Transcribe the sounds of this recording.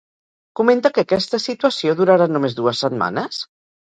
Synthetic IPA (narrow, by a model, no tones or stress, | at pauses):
kument̪əkəːkɛst̪əsit̪uəsjoðuɾaɾanumezðuəsːəd̪ma̰nəs